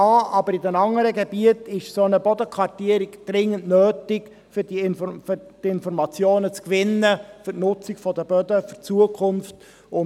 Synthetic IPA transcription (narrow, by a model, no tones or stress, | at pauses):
ɑːʔɑbəɾidɛnɑŋːəɾəɡebiətɪʃsonəbɔd̪əkʰʋɑrtiəɾɪɡd̪̥ɾɪŋːəntnøːtɪɡ | fʏɾd̥iɪnffʏd̥ɪnfɔɾmɑt͡sjoːnət͡skʋɪnːəfʏtnʊt͡sɪɡfɔdəb̥œdəfʏrt͡suəkʰʊnft | ʊ